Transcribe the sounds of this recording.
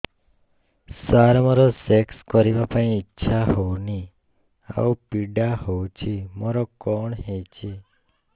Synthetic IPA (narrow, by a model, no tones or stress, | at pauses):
saɾmaɾosekskəɾiʋapaĩːtːʃʰaɦoni | a̰upiɖahowt͡ʃʰimɔɾokɔɳɦet͡ʃʰe